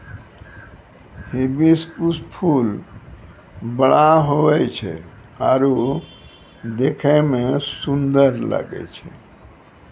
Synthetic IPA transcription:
hibiskuspʰul | bəɽaɦoɛt͡ʃʰɛ̰ | aɾo | d̪ekʰɛmesund̪əɾla̰ɡɛ̰t͡ʃʰɛ

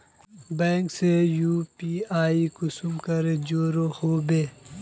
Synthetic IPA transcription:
bẽːŋksejuːpiaːikusumkɐɾed͡ʒoːɾohoːbeː

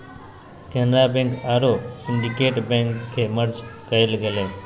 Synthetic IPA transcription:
kenɾabẽŋkaɾosɪnɖikeːʈbẽŋkkʰːeməɾd͡ʒkəelɡele

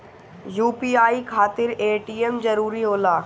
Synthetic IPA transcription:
juːpiːaːikʰaːt̪ɪɾeːʈiːemd͡ʒɐɾuːɾiɦoːlaː

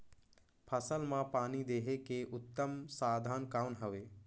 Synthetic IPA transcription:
pʰɐsəlmãpaːnid̪eːɦekeʔʊt̪ːəmsaːd̪ʱaːnkaːʋnɦəʋeː

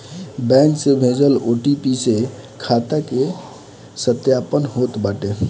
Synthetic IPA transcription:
bɛ̃ŋksebʱẽd͡ʒəloʈipise | kʰat̪ake | sət̪japənɦot̪baʈe

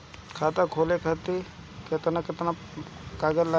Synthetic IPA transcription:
kʰaːt̪akʰoːlekʰɐt̪i | ket̪ənaket̪na | kaːɡəlːa

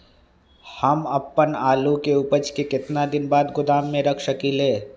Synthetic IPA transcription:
hɐmɐpːənaːlukeʊpət͡ʃkekɪt̪nad̪ɪnbaːd̪ɡʊd̪aːmːẽɾɐkʰʃəkileː

